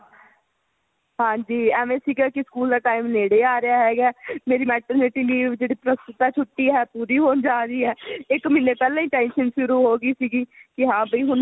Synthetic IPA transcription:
ɦãːd͡ʒiːɛːʋẽːsiːɡaːkɪskuːld̪aːʈaːɪmneːɽeːaːɾɪjaːɦɛːɡɛːmeːɾiːmɛːʈəɾnɪʈiːliːd͡ʒeːɽiːpɾəst̪ɪt̪aːt͡ʃʰʊʈːiːɦɛːpuːɾiːɦoːnd͡ʒaːɾiːɦɛːɪkmɪnːeːpɛːlẽːiːʈɛːnʃənʃʊɾuːɦoːɡiːsiːɡiːkɪɦãːbiːɦʊn

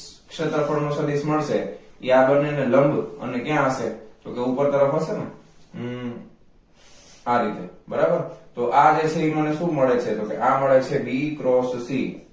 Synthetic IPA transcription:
kʃət̪əɾfʰəɳnõsəlisməɭʃeiabənːeneləmbə̰nekjãʃed͡ʒokeupəɾt̪əɾəfɦəsene | aɾit̪ebəɾabəɾt̪oʔad͡ʒet͡ʃʰeiməneʃũməɭet͡ʃʰed͡ʒokeʔaməɭet͡ʃʰebikɾossi

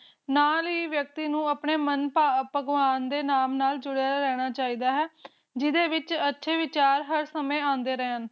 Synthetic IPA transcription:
naːliːʋjək̚t̪iːnũːəpɳeːmənpaːpəɡʋaːnd̪eːnaːmnaːld͡ʒʊɽeaːɾɛːɽ̃aːt͡ʃaːiːd̪aːɦɛː | d͡ʒɪd̪eːʋɪt͡ʃətːʃʰeːʋɪt͡ʃaːɾɦəɾsəmẽːãːnd̪eːɾɛːən

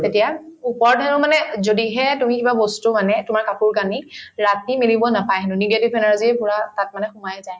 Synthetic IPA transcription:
tetijaupɔɹdɦɛnʊmanɛzodiɦɛtumikibabɔstumanɛtʊmaɹkapuɹkaniɹatimilibɔnapajɦɛnʊniɡetib̚ʱɛnaɹziɛpʊɹatat̚manɛxʊmajɛzaj

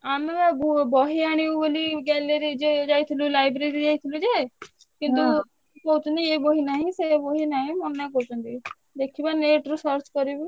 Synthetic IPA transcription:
aːmebɔɦiaːɽ̃iuboliɡɛːleɾid͡ʒed͡ʒaːit̪ʰilulaːɪbɾeɾid͡ʒaːit̪ʰilud͡ʒe | kĩnt̪u | kɔut͡ʃɔnd̪ieboɦinaːɦĩseboɦinaːɦĩmɔnːak̬ɔɦut͡ʃɔnd̪i | d̪ekʰibaneːʈɾosɔɾt͡ʃkɔɾibi

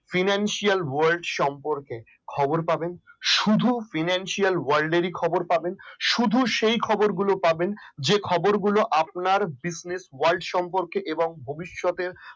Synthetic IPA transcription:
finanʃialwaɾlɖʃɔmpoɾke | kʰɔboɾpabenʃud̪ʱufinanʃialwaɾlɖeɾikʰɔboɾpabenʃud̪ʱuʃejkʰɔboɾɡulopabend͡ʑekʰɔboɾɡuloʔap̚naɾbisneswalɖʃɔmpoɾkeʔeboŋbʱobiʃːɔt̪eɾ

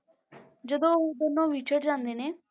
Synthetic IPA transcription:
d͡ʒəd̪õːbənːõːʋiːt͡ʃʰəɽd͡ʒãːnd̪eːneː

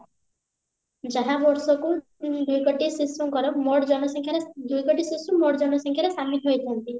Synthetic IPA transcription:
d͡ʒaɦãbɔɾsɔku | d̪ujkɔʈisisuŋkɔɾɔmɔɽd͡ʒɔnɔsɔŋkʰjaɾed̪ujkɔʈisisumɔɽd͡ʒɔnɔsɔŋkʰjaɾesamit̪ɦojt̪ʰant̪i

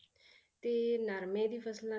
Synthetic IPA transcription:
t̪enaɾmed̪ifasila

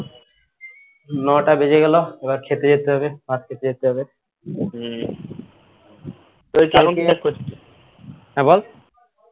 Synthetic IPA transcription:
nɔʈabed͡ʑeɡɛloebaɾkʰet̪ed͡ʑet̪eɦɔbebat̪̚kʰet̪ed͡ʑet̪eɦɔbe | t̪oekalokiɛkʰːot͡ʃʰːit̪e | ɦɛ̃bol

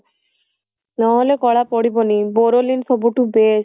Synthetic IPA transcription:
nɔɦɔlɛkɔɭapɔɽibɔnibɔɾolinfʰɔbuʈubes

